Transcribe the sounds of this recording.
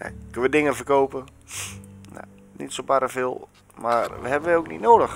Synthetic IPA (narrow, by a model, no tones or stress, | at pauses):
ɛ̰kønəʋədɪŋəfərkoːpə | na̰ | nḭtsopaɾəfɪːlˠ | maʋə̰ɦɛbənʋəoːknḭtnoːdəx